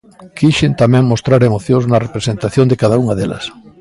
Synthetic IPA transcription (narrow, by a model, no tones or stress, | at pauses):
kʰiʃɪnt̪amɛ̃ŋmost̪ɾaɾemoθjõznɐrepɾesent̪aθjõnd̪ɪkaðauŋɐðelɐ̰s